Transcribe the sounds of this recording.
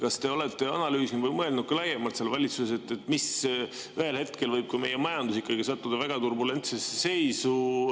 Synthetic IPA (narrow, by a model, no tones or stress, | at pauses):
kɑst̪e̞o̞le̞t̪ːˑe̞ɑnɑlyːsnivəjmɤe̞ldnud̪t̪̚kɑlæjemɑlt̪selvɑlʲit̪susese̞t̪ːˑet̪ːˑmis | yhe̞lhet̪ke̞lvɤjb̥̚kɑme̞je̞mɑjɑnd̪̥usikːˑɑɡisɑt̪ːˑud̪ɑvæɡ̥ɑt̪urbule̞nt̪sesese̞jsu